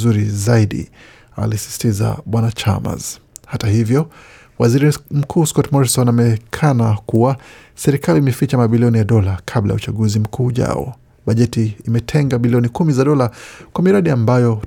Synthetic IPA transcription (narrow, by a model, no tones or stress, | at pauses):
uɾizaiɗḭ | a̰lisi̥si̥tiza̰ɓwanat͡ʃa̰ma̰z̥ | hatahivjɔ | waziɾim̩kʰuːskɔtmɔɾisɔnamɛkʰanakuwa | sɛɾikaliːmɛfit͡ʃamaɓiliɔnijaɗɔlakʰabla̰ja̰ut͡ʃaɠuzim̩kʰuːʄa̰ɔ̰ | ɓaʄɛtiːmɛtʰɛŋɡaɓiliɔnikumizaɗɔlakwamiɾaɗiambajɔ